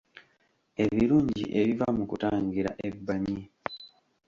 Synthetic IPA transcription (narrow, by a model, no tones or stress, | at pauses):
e̞βiɾuːɲɟḭʔe̞βivamukutaːŋɡiɾa̰ʔe̞bːaɲi